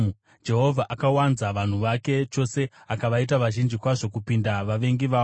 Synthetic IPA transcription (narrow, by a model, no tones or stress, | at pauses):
d͡ʒe̞ɦo̞vʱaʔakawanzaʋan̤uʋake̞t͡ʃo̞se̞ | akaʋait̬aʋaʒind͡ʒikwaʐo̞kupindaʋaʋe̞ŋɡiʋaː